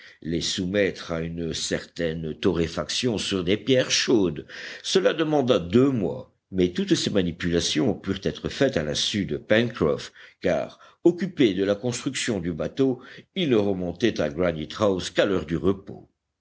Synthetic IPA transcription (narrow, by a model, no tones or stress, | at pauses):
lesumɛt̪χaynsɛʁt̪ɛnt̪ɔʁefaksjɔ̃syʁd̪epjɛʁʃod̪səlad̪əmɑ̃d̪ad̪ømwa̰ | mɛt̪ut̪semanipylasjɔ̃pyʁt̪ɛt̪χəfɛt̪alɛ̃syd̪əpɛnkχɔ̰fka̰ːʁ | ɔkʲyped̪əlakɔ̃st̪χyksjɔ̃d̪ybat̪oilnəʁəmɔ̃t̪ɛt̪aɡʁanit̪χawskalœʁd̪yʁəpo̰